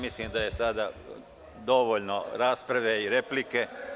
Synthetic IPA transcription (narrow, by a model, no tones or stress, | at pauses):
misliːmd̪aje̞sad̪a | d̪o̞ʋoːʎnoɾaːspɾaʋe̞iɾe̞plike̞